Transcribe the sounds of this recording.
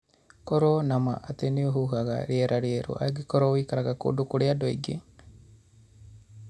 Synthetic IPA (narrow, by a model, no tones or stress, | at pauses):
kɔɾonama̰ʔateniohuɦaɣa̰ɾjeɾʔaɾjeɾṵʔa̰ɡikɔɾowiːkaɾaɣako̰dukuɾeadoḭɡe